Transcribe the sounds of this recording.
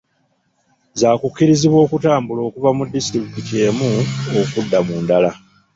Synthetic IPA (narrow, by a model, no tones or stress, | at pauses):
zaːkukːiɾiziβwo̞ːkutaːmbulo̞ːkuvamudːisi̥tɾikkice̞ːmuokudːamuːndala